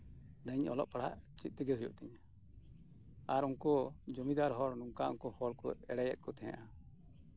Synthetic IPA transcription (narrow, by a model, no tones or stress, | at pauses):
d̪əɲɔ̰lɔ̰ʔpaɽ̤a̰ʔt͡ʃit̪̚t̪ɛɡɛɦujɔ̰ʔt̪ɛɲa | aɾunkɔd͡ʒɔmid̪aɾɦɔɽnuŋkaʔṵŋkɔhɔɽkɔɛɽɛjɛ̰t̪̚kɔt̪ʰɛ̃j̰̃ʔa